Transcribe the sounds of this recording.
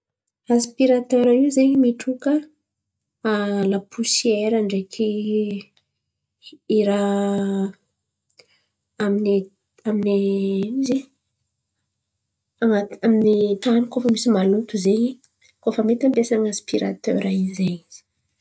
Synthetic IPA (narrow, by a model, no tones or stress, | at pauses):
aspiɾat̪øɾaiwzeɲimiʈ͡ʂukə | alapʰusieɾaɳɖ͡ʐekʰi | ɾa | amini | aminiizi | aŋaminit̪anikofəmisimalut̪uzeɲi | kofəmet̪ambesaŋaspiɾa̰t̪ø̰ɾaizeɲiz̥i̥